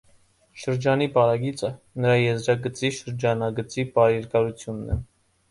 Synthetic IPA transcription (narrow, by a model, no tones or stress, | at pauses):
ʃəɾd͡ʒɑnipɑɾɑɡit͡sə | nəɾɑjɛzɾɑɡət͡siʃəɾd͡ʒɑnɑɡət͡sipɑɾjɛɾkɑɾut͡sʰjunːɛ